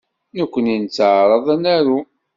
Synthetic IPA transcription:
nəkʷːənint͡sːʕɾˤɑðˤænæɾu

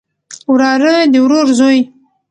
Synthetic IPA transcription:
wɾɑɾəd̪əwɾoɾzoj

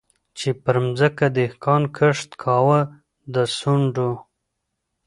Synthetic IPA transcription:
t͡ʃepəɾmzəkad̪əhkɑnkʰəʂt̪kʰɑwə | d̪əsuɳɖo

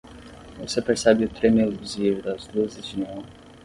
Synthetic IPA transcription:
vosepeɾsɛbɪʊt̪ɾemeviziɾʊd̪ɐzd̪uɐzɪzd͡ʒinũ

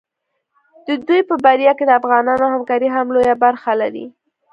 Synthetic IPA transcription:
d̪̥əd̪ujpəbaɾjɑked̪əafɣɑnɑnohamkɑɾiɦamlojabaɾxalaɾḭ

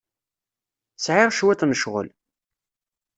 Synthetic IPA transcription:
sʕɪʁʃwæt̪nəʃʁə̰l

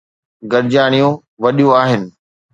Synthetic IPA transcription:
ɡɐɾɪd͡ʑaːɽ̃ijũ | ʋɐɗijũaːɦɪnɪ̆

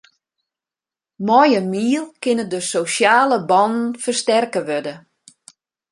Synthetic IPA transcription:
mɔjəmiəlˠkɪnədəsosjaːləbɔnn̩fərstɛrkəʋødə

